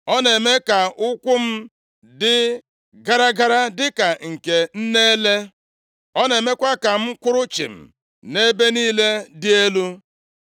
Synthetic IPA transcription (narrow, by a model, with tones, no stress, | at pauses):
ɔ˦ne˨me˦ka˨ʔʊ˦kʷʊ˦m̩˦ | dɪ˦ | ɡa˦ɾa˦ɡa˦ɾa˦dɪ˦ka˨ŋ̩˨ke˨n̩˦ne˦le˦ | ɔ˦ne˨me˦kʷa˦ka˨m̩˦kʷʊ˦ɾʊ˦t͡ʃɪ̰˨m̩̰˨ | ne˦be˦niː˦le˦dɪ˦e˦lu˦